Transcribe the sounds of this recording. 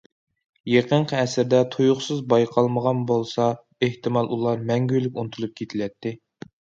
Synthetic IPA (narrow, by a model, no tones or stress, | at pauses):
jeqʰəɴqʰəɛsɪɾd̪ɛt̪ʰujʊχsɨzbɑjqʰɑlˠməʁɑnbolˠsɑ | eht̪ɨmɑlˠʔulˠɑɾmɛŋɡʲylykʲunt̪ʰulˠup̚kʲʰet̪ʰɪlɛt̪ːɪ